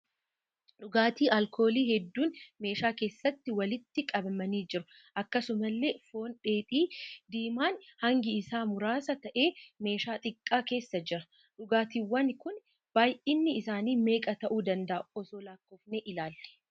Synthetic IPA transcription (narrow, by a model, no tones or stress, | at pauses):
ᶑʊɡaːt̪iːʔɐlkʰo̞ːliːhɛd̪ːuːnme̞ːʃaːke̞ːsːɐt̪ːɪwɐlɪt̪ːɪkʼɐbɐmɐniːd͡ʒɪɾʊ | ʔɐkːɐsʊmɐlːe̞ːfo̞ːnᶑe̞ːpʼiːd̪iːmaːnhɐŋɡɪɪsaːmʊɾaːsɐt̪ɐʔe̞ːme̞ːʃaːt̪ʼɪkʼːaːke̞ːsːɐd͡ʒɪɾɐ | ᶑʊɡaːt̪iːwːɐnkʊn | b̥aːjʔɪnːɪɪsaːniːme̞ːkʼɐt̪ɐʔuːd̪ɐnd̪ɐʔɔsoːlaːkːɔfneːʔɪlaːlːɛ̥